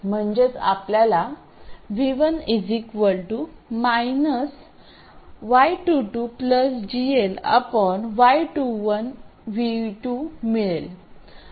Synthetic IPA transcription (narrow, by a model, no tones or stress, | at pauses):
m̤əɳd͡ʑet͡sa̰pljala | ʋiʋənid͡zikʋəlʈumajnəs | ʋajʈuʈupləsd͡ʑiela̰pəɳʋajʈuʋənʋiʈumiɭel